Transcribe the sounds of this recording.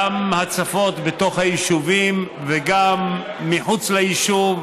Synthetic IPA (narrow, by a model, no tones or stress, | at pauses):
mhat͡safo̞tbeto̞χhajiʃuvim | veɡamː | iħut͡slejiʃuv